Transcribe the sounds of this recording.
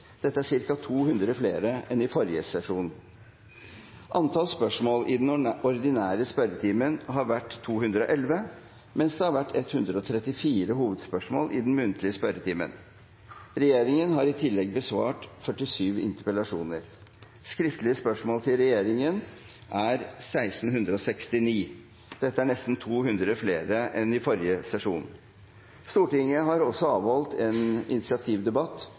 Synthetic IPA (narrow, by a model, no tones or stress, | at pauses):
d̪̥ɛt̪ːəæʂɪɾkɑt̪ʰuːhʉnd̪ɾəfleːɾəʔɛnɪfɔɾjəsɛʂuːn | ʔɑnt̪ʰɑːlspœʂmoːlʔɪd̪nɔɾd̪ɪnæːɾəspœɾət̪ʰiːmənɦɑɾʋæʈːt̪ʰːuːhʉnd̪ɾəɔ̰ːʔɛlʋə | mɛnsd̪ɛhɑɾʋæʈːɛt̪hʉnd̪ɾəɔt̪ʰɾɛt̪ːɪfiːɾəhuːʋəd̪spœʂmoːlʔɪd̪n̩mʉnt̪lɪəspœɾət̪ʰiːmə̰n | ɾɛjeːɾɪŋənɦɑɾɪt̪ʰɪlːɛɡbəsʋɑːʈfœʈːɪsyːʋɪ̰nt̪əɾpəlɑʂuːnəɾ | skɾɪft̪əlɪəspœʂmoːlt̪ʰɪlɾɛjeːɾɪŋən | ʔæɾsæɪsn̩hʉnd̪ɾəɔsɛkst̪ɪniː | d̪̥ɛt̪ːəæɳɛst̪n̩t̪ʰuːɦhʉnd̪ɾəəfleːɾəʔɛnɪfɔɾjəsɛʂuːn | st̪uːʈɪŋəɦɑɾɔsːɔɑːʋhɔlt̪ʰɛːnɪ̰nɪt̪sɪɑt̪ʰiːʋd̪ɛbɑt̪ː